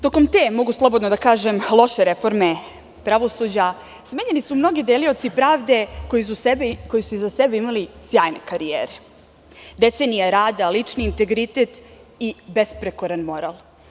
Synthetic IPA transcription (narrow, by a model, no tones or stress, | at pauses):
t̪o̞ko̞mt̪eːmo̞ɡuslˠo̞bod̪nod̪akaːʒemlˠo̞ʃe̞ɾe̞fo̞ɾme̞ | pɾaʋo̞sud͡ʑa | smeːɲenisumno̞ɡid̪elio̞t̪sipɾaːʋd̪e̞kojiuko̞jisuizasebeimalisjaːjne̞kaɾijḛːɾe | d̪e̞t̪senijaɾaːd̪alit͡ʂniːnt̪e̞ɡɾit̪et̪ | ibe̞spɾekoɾanmo̞ɾa̰lˠ